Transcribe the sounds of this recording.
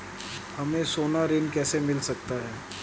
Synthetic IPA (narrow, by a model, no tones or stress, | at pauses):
hɐmẽsoːnaɾɪnkɛːsemɪlsɐk̚t̪aɦɛː